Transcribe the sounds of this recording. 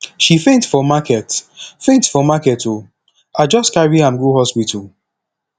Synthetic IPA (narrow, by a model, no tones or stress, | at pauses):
ʃifẽntfɔmakɛtfẽntfɔmakɛto | ad͡ʒɔstkaɹiãmɡuhɔspitʰul